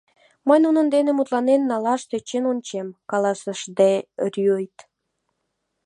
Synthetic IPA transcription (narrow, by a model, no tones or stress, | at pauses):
məjnunənd̪enemut̪lɑnenːɑlɑʃt̪e̽t͡ɕenonʲt͡ɕemkɑlɑsəʃd̪erjojt̪